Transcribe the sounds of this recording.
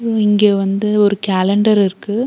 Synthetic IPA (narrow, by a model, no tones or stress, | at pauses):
ɪŋɡeːʋɐnd̪ɯɔɾɯkaːlɛɳɖɐɾɪɾɯkːɯ